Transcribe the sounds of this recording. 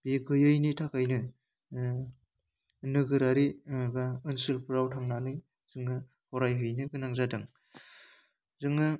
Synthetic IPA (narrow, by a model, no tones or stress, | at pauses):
b̥eɡɯjɯjnitʰakʰajnɯ | nɯɡɯɾaɾibaɯnsɯlpʰɯɾawtʰaŋnanɯj | z̥ɯŋɯ | hɔɾajɦɯjnɯɡɯnaŋzadɯŋ | zɯŋɯ